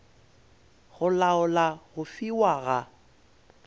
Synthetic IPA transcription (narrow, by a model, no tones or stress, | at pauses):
ɣʊlaʊlaɣʊfiwaɣa